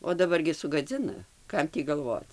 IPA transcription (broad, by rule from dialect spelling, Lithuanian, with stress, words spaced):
oː dɐˈbɐr ɡʲɪ sʊɡɐˈd͡zʲɪnɐ ˈkɐm tʲiː ɡɐlˠˈʋoːt͡s